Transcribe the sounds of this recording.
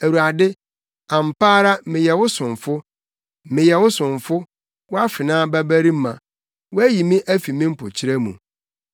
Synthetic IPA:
æ˨wu˨a˨dɪ˦ | ã˨m̩˨paː˦ɾa˦mɪ̃˨jɛ˨wʊ˦sʊ̃˨ɱ˨fʊ˦ | mɪ̃˨jɛ˨wʊ˦sʊ̃˨ɱ˨fʊ˦ | wʊ˦a˦fɪ˨nãː˦bæ˦bæ˦ɾi˦m̩˦mã̰˨ | wʊ˦æ˦ji˨mĩ˦ʔæ˦fi˨mɪ̃˦m̩˦pʰʊ̰˨t͡ɕʰi˦ɾæ˦mṵ̃˨

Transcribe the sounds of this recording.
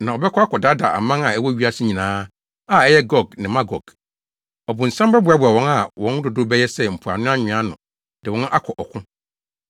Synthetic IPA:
nã˨ɔ˨bɛ˦kʰɔ˦a˦kʰɔ˨da˦da˨a̰˨mã˦na˨ɛ˦wɔ˦ɥi˦a˦˨sɪ˦ɲĩ˨nãː˨˦ | a˦˨ɛ˦jɛ˦ɡɔ˨ɡnɪ̃˨mã˦ɡɔ˨ɡ | ɔ˨bʊ̃˨n̩˨sã˦mba˦bʊ˨a˨˦bʊ˨a˨wɔ̃˦na˨wɔ̃˨˦n˦dʊ˨dʊ˦bɛ˦jɛ˦sɛ˦m̩˨pʰu˨a̰˨nʊ̃˦ã˦ɲɪ̃˨˦ã˦nʊ̰̃˨ | d̥ɪ˨wɔ̃˦n˦ʔa˦kʰɔ˨ʔɔ˨kʰʊ̃˦

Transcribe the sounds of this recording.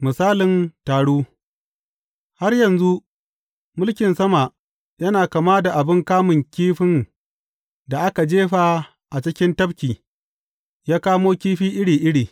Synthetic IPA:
mɪ˨saː˦lɪ˨ntaː˨ɽuː˦ | ha˦rjɐ˨nzu˦ | mʊ˦lkʲɪ˨nsɐ˦ma˨ʔ | jɐ˦naː˨ka˨maː˦da˨ʔa˨bɪ˦ŋkaː˦mɪ˨ŋkʲiː˦ɸɪ˦n | da˨ʔa˦ka˨d͡ʒeː˦ɸa˦ | ʔa˨t͡ʃɪ˦kʲɪ˦ntɐ˦ɸkʲiː˨ | jaː˦kaː˦moː˦kʲiː˦ɸiː˦ʔɪ˦ɽiː˨ʔɪ˦ɽiː˨

